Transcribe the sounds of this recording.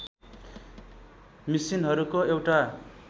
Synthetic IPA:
misinɦʌɾukoewʈa

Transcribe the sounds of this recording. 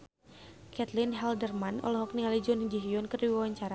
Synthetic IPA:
kɛt̪lɪnɦɛldərmanɔ̰lɔɦɔk̚niŋalid͡ʒɔnd͡ʒiɦijɔnkərdiwawaɲt͡ʃaɾa

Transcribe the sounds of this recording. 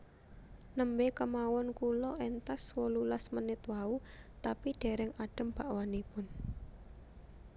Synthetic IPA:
nəmbekəmawɔnkulɔʔɛnt̪aswɔlulasmənɪt̪waut̪apiɖ̪̥e̤ɾɛŋaɖ̥ə̤mb̥a̤ʔwanipʊn

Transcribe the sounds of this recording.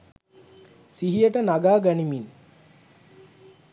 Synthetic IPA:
siɦijəʈənaɡaːɡanimin

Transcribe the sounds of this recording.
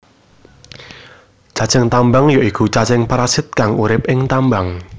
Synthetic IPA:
d͡ʒ̥ä̤t͡ʃəŋt̪ambaŋjoʔikut͡ʃat͡ʃɪŋpaɾasɪt̪̚kaŋuɾɪp̚ɪŋt̪ambaŋ

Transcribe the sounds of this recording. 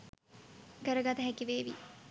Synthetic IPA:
kəɾəɡat̪əɦɛkiʋeːʋḭ

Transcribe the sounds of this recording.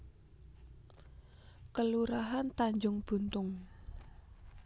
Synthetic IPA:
kəluɾaɦant̪aɲd͡ʒʊŋb̥ṳnt̪ʊŋ

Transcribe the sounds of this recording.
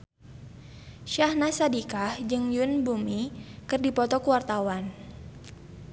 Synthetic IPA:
ʃahnasadikahd͡ʒɨŋjunbumikɨrdipɔt̪ɔkəwart̪awan

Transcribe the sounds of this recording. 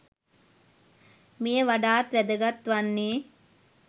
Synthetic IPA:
mijɐʋɐɖaːt̪ʋɛd̪ɐɡɐt̪ʋɐnːi

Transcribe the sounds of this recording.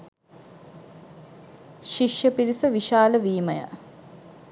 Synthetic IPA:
ʃiʂjɐpiɾisɐʋiʃaːləʋiːməjə̰

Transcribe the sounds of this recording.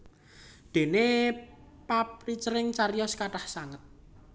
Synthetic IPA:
d̪̥e̤ne | pap̚ɾit͡ʃɾɪŋt͡ʃaɾijɔskaʈahsaŋət̪̚

